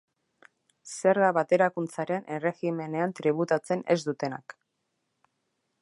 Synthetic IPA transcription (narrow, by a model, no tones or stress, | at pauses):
se̞ɾɣaβat̪e̞ɾakunt͡saɾe̞nʔere̞xime̞ne̞ant̪ɾiβ̞ut̪at͡se̞ne̞̰zd̪ut̪e̞na̰k